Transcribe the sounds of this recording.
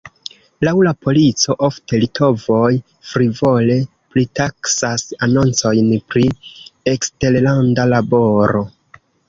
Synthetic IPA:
lawlapʰo̞lit͡so̞ʔo̞fte̞litʰo̞vo̞j | fɾivo̞le̞ | plitaksasano̞nt͡so̞jnpɾie̞kste̞ɾlandalabo̞ɾo̞

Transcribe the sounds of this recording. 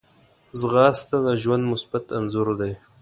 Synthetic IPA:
zɣɑːst̪ad̪əʒwand̪mʊsbat̪anzʊɾd̪aj

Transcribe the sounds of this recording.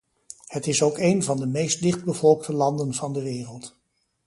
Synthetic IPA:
hətɪsowkejnvɑndəmejst̚dɪχd̚bəvɔlˠk̚tʰəlɑndənvɑndəʋɪːrəlˠt

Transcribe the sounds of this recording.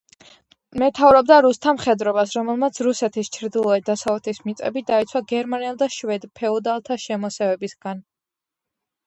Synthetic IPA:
mɛt̪ʰavɾɔbd̪aɾust̪ʰamχɛd̪ɾɔbasɾɔmɛlˠmat̪sʰɾusɛt̪ʰist͡ʃʰɾd̪ilˠɔɛd̪asavlɛt̪ʰismit̪sʼɛ̰bid̪ait̪sʰwaɡɛɾmaniɛlˠd̪aʃwɛd̪pʰɛɔd̪alˠt̪ʰaʃɛmɔsɛvɛbisɡ̥an

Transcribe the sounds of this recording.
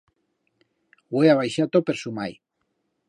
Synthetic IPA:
weaβ̞ajʃat̪opeɾsumaj

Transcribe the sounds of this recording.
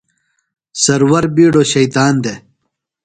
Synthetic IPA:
sɐɾwɐɾbiːɖoɕɐjt̪aːnd̪e

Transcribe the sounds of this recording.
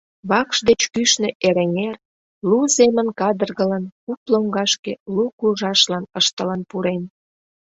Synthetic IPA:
βɑkʃd̪et͡ɕkyʃnĕʔeɾeŋer | luzemənkɑd̪ərɣələnkuploŋɡɑʃkelukuʒɑʃlɑnəʃt̪ələnpuɾen

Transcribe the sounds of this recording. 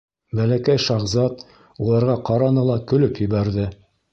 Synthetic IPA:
bælækæjʃɑʁzɑt̪ | ulˠɑɾʁɑqɑɾɑnɤlˠɑkɵ̆lɵpjɘ̆βæɾðɘ

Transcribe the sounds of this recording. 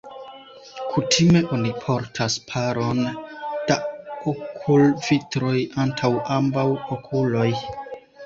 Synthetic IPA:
kʰutʰime̞ʔo̞nipʰo̞ɾtʰaspʰaɾo̞nd̥aokʰulvitɾo̞jantʰawʔambawokʰulo̞j

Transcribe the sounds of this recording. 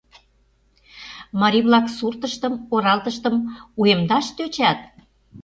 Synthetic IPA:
mɑɾʲiβlɑksurt̪əʃt̪əmoɾɑlt̪əʃt̪əmuemd̪ɑʃt̪øt͡ɕæt̪̚

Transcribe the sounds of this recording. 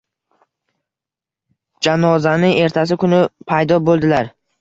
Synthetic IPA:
d͡ʒanɒzanɪŋe̞ɾt̪ʰas̬ɪkʰʊnɪpʰajd̪ɒbolˠd̪ɪlaɾ

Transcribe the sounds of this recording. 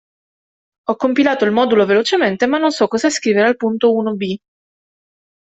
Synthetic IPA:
ɔkːompilaːt̪oilmɔːd̪ulovelot͡ʃement̪emanːonsɔkːɔzaskɾiːveɾealpunt̪ouːnobi

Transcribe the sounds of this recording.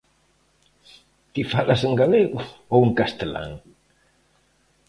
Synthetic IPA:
t̪ifalasəŋɡaleɣuowəŋkast̪əla̰ŋ

